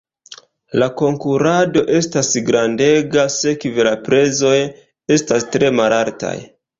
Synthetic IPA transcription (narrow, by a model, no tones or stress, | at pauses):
lako̞ŋkuɾado̞ʔe̞stasɡɾande̞ɡase̞kivelapɾe̞zo̞j | e̞stastɾe̞malaɾta̰j